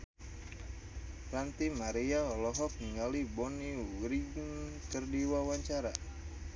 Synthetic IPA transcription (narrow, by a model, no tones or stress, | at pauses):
rant̪imaɾiaɔlɔɦɔk̚niŋalibɔniuwɾiɡnkərdiwawaɲt͡ʃaɾa